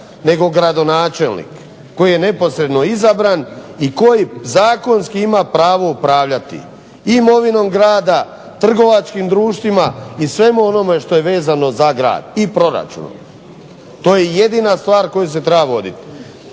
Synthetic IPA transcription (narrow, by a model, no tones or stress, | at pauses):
ne̞ɡo̞ɡɾad̪o̞naːt͡ʃe̞lˠnḭkː | o̞jije̞ne̞po̞sɾe̞d̪no̞izabɾaniko̞jizaːko̞nskiimapɾaːʋo̞upɾaːʋʎat̪ḭ | imo̞ʋino̞mɡɾaːd̪a | t̪r̩ɡo̞ʋat͡ʃkimd̪ɾuːʃt̪ʋimaisʋe̞muo̞no̞me̞ʃt̪o̞je̞ʋe̞ːzano̞zaɡɾa̰ːd̪ipɾo̞ɾa̰t͡ʃṵno̰m | t̪o̞ːjejed̪inast̪ʋaːɾko̞jus̬e̞t̪ɾebaʋo̞d̪it̪